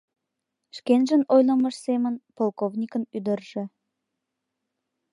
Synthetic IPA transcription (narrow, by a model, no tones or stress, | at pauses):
ʃkenʒənojləməʃsemənpolˠkovnʲikənyd̪ərʒ̥e